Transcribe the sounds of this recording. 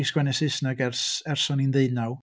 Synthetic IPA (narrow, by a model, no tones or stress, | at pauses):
isɡ̥wɛnɛsɪsnaɡɛrsɛrsɔninðeɨnaw